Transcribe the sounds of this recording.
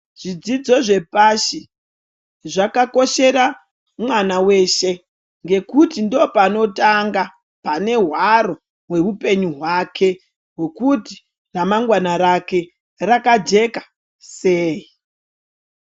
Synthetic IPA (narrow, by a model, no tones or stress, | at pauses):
ʐ̥id͡zid͡zo̞ʐe̞paʃi | ʐakako̞ʃe̞ra | mwanawe̞ʃe̞ | ŋɡe̞kutindo̞pano̞taŋɡa | pane̞ɦwaɾo̞ | we̞rupe̞ɲuɦwakʰe̞ | ɦwe̞kuti̥ | ramaŋɡwanaɾake̞ | rakad͡ʒe̞kḁ | seːi